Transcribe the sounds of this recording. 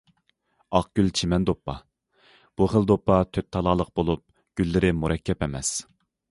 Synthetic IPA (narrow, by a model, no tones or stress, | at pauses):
ɑqɡ̥ʲylt͡ʃʰimɛnd̪opʰːɑ | b̥uχəlˠd̪opːɑt̪ʰøt̪ʰːɑlˠɑːlˠəq̚bolˠup̚ | ɡ̥ʲylːɪɾɪmuɾɛkʲʰːɛpɛmɛs